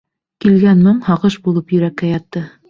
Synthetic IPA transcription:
kilɡænmɤɴhɑʁɤʃbulˠɤpjɵ̆ɾækːæjɑt̪ːɤ

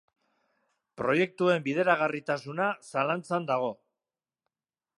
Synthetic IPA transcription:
pɾo̞je̞k̚t̪ue̞mbiðe̞ɾaɣ̞arit̪asunasalant͡sand̪aɣ̞o̞

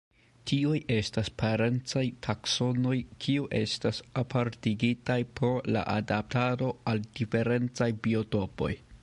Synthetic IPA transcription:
tʰiuje̞staspʰaɾe̞nt͡sajtʰakso̞no̞jkʰiuʔe̞̰stasapʰaɾtiɡitajpɾo̞la̰ʔadap̚tado̞ald̥ife̞ɾe̞nt͡sajbio̞to̞po̞̰j

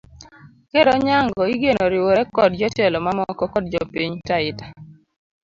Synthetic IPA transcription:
keɾɔɲaŋɡɔiɡenoɾiwoɾɛkɔd̚d͡ʒɔtɛlɔmamɔkɔkɔdd͡ʒɔpiɲtaɪtḁ

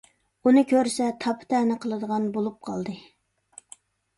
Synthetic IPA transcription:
unɨkʲøɾsɛt̪ʰɑpʰɨ̥t̪ʰɛnɨqʰəlˠɨd̪əʁɑnbolˠup̚qʰɑ̰lˠd̪ɨ

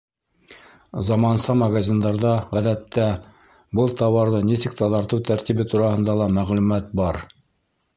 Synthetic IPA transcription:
zɑmɑnsɑmɐɡazʲind̪ɑɾðɑʁæðæt̪ːæ | bɤlˠt̪ɑwɑɾðɤnisɘk̚t̪ɑðɑɾt̪ɤwt̪æɾt̪iβɘt̪uɾɑhɤ̆nd̪ɑlˠɑmæʁlʉmæt̪̚bɑɾ

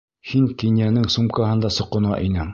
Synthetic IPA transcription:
hiŋkinjænɘŋsumkɑɦɤnd̪ɑsɤ̆qːŏnɑʔinɘm

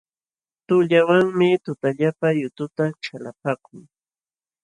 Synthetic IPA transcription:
t̪ʊʎawaŋmɪt̪ʊt̪aʎapajʊt̪ʊt̪aʈ͡ʂalapakʊŋ

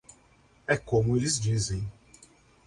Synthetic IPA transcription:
ɛkõmʊelɪzd͡ʒizẽj̃

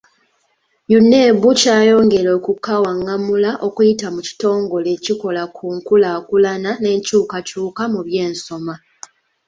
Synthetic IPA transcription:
junːe̞ːβucaːjo̞ːŋɡe̞ɾo̞ːkukːawaŋːamulaʔo̞kujitamuci̥to̞ːŋɡoleːciko̞lakʰuːŋkulaːkulanane̞ːɲcuːkacuːkamuβje̞ːnso̞ma

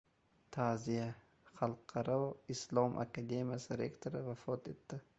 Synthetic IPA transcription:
t̪ʰazija | χalˠqʰːɑɾɔislˠɒmʔa̰kad̪emijasɪɾḛkt̪ʰoɾɪvafɒt̪et̪ːɪ

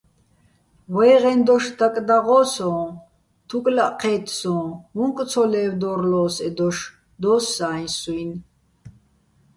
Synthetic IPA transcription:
wɛːʁɛnd̪ɔʃd̪akʼd̪aʁɔːsɔ̃ː | t̪ʰukʼlaʔqʰɛːt̪ʰsɔ̃ːmuŋkʼt͡sʰɔlɛːwd̪ɔɾlɔːsɛd̪ɔʃ | d̪ɔːsːaːj̃nsujn

